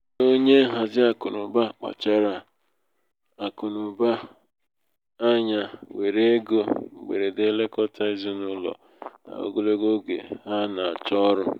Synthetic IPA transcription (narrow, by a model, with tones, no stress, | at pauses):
o˦ɲe˦ɦa˨zɪ˦a˨kʊ˨nʊ˨ba˦k͡pa̰˨t͡ʃa˦ɾa˨ | a˨kʊ˨nʊ˨ba˦ | a˦ɲa˨we˨ɾe˦ɡo˦˨ɡ͡bḛ˨ɾe˨de˦le˦kɔ˦tʰa˦i˦zi˦nʊ˦lɔ̰˨ | a̰˨o̰˦ɡo˦lo˦ɡo˦ɡḛ˨ɦa˦na˨a̰˨t͡ʃɔ˦ɾʊ˦